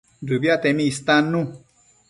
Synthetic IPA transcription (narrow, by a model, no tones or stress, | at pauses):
dubjat̪ɛmĩist̪anːũ